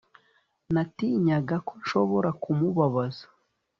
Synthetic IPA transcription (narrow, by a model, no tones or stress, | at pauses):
natiɲaɡako̞ɲʃo̞βo̞ɾakumuβaβazḁ